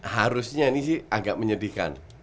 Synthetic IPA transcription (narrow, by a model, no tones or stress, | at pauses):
haɾusɲanisɪhaɡaʔ̚məɲədika̰n